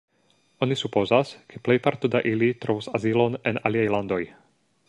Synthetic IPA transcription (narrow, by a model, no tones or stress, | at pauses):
o̞nisupo̞zaskʰeple̞jpaɾtodaʔilitɾo̞vusazilo̞nena̰liajlando̞j